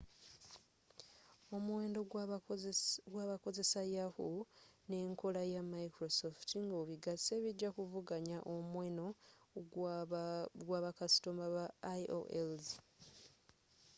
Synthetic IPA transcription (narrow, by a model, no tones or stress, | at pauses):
o̞muwe̞ːndo | ɡwaːβako̞ze̞sajahune̞ːŋko̞lajamaikɾosoftiŋɡoβiɡaseːβiɟakuvuɡaɲaʔomweno̞ | ɡwaːβakasi̥tomaβao̰ʔelz